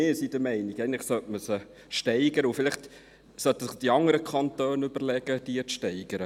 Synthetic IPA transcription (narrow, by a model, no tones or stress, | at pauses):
ɪːsid̥əmɛɪniɡæɪən̩lɪχsœtməsə | ʃtɛɪɡəɾəufɪlɪχt | sœt̪ːəsɪχd̥iɑŋəɾəkʰχɑnt̪øːnʉbəɾlɛɡ̥əd̥iət͡sʃtɛɪɡ̥əɾə